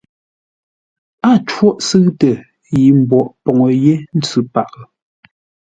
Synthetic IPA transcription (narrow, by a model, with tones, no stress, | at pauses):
a˦˨t͡ʃwɔ˦ʔsɨ˦ɣtə˨ | ji˨m̩˨bɔ˨ʔpɔ˨ŋə˨je˦n̩˦t͡sʉ˨pa˨ʔ